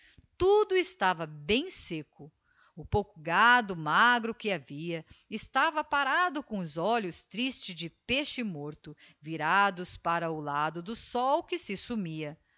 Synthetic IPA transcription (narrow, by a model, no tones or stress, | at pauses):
t̪ud̪ʊɪst̪avɐbẽj̃sekʊ | ʊpowkʊɡad̪ʊmaɡɾʊkɪaviɐɪst̪avɐpaɾad̪ʊkõʊzɔʎʊst̪ɾist͡ʃɪzd͡ʒɪpeʃɪmoɾt̪ʊviɾad̪ʊspaɾɐʊlad̪ʊd̪ʊsɔwkɪsɪsumiɐ